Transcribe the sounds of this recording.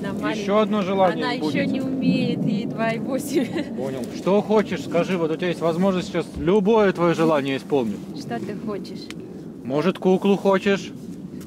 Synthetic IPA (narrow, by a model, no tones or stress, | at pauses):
nɐmjjɪɕːo̞ɐd̪noʐɨlˠannʲɪjəajuɪonʲɪʊmʲejɪt̪ɪd̪vaɪvosʲɪmʲponʲɪlˠʂt̪o̞xo̞t͡ɕɪʂskɐʐɨvot̪ʊtʲɪajesʲtʲvɐzmo̞ʐnəsʲt̪ʲːt͡ɕaslʲʊbo̞jət̪vɐjoʐɨlˠanʲɪjəɪspo̞lˠnʲɪtʲʂt̪ot̪ɨxot͡ɕɪʂ | mo̞ʐɨt̪kuklˠʊxot͡ɕɪʂ